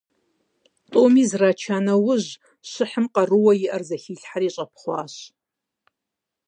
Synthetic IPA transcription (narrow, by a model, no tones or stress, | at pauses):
tʼoːmiːzraːt͡ʃʰaːnɐwʊʑ | ɕɪħəmqʼɐrɨwɐjɪʔɐrzɐxiːɬħaɾiːɕʼɐpχʷɑ̰ːɕ